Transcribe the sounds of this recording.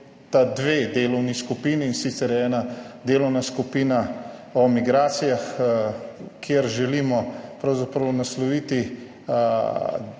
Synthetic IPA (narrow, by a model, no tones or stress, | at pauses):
t̪ad̪ʋeːd̪eːlɔwniskupiːniːnsiːt̪sɛɾjɛɛːnad̪eːlɔwnaskupiːnaɔmiɡɾaːt̪sijax | kʰjeɾʒɛliːmɔpɾawzapɾɐwnaslɔʋiːt̪i